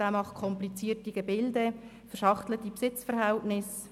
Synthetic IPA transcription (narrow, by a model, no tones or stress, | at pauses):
æːmɑχtkʰɔmplit͡siːərtiɡ̥ɛbɪldə | fɛʃɑχtlətipsɪt͡sfəɾɦæltnɪs